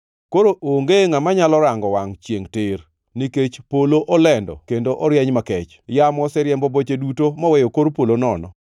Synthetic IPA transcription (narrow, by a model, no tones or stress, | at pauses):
koɾoʔoŋɡeŋamaɲalɔɾaŋɡɔwaŋt͡ʃjeŋtɪɾ | niket͡ʃpoloʔɔlɛndɔ̰kendoʔɔɾjɛɲmakɛt͡ʃ | jamɔsɛɾjɛmbɔbot͡ʃedutomɔwɛjokoɾpolonɔnɔ̰